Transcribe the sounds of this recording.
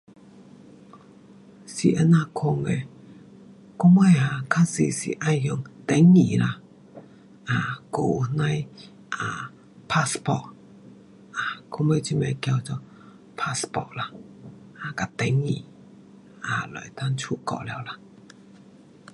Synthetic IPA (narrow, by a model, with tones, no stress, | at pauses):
sḭ˨ʔa˧˦nã˧˨kʰo˧ŋe˧ | kʊ˦˥me˧ja˧˨kʰa˧˥si˨sḭ˨ʔa˧jhjɔ˧˨ŋt̪ɛ˨˦ŋːi˨la˧˩ | ʔa˨ko˨nã˧j | ʔa˨ | pʰa˧spɔ̰˧ʔ | ʔa˨kʰʊ˧˥ŋme˧˦t͡ɕi˧˨me˧˨kja˧wt͡sɔ˧ | pʰa˧spɔ̰˧˨ʔla˧ | ʔa˨ka˨t̪ɛ˨˦ŋːḭ˨ | a̰˨lɔ̰˨jt̪a˧˥nt͡ɕʰu˧˨kɔ̰˧˨ʔlɛ˧˨wla˧